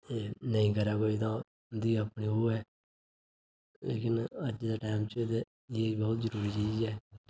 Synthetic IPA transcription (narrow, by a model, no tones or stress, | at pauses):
eːnəĩːkəɾaːkoːit̪ãː | d̪iːəpɳiːɦoːɛː | lḛːkɪnəd͡ʒd̪aːʈaːmt͡ʃed̪e | jeːbɔːʊt̪zəɾuːɾiːt͡ʃiːzɛː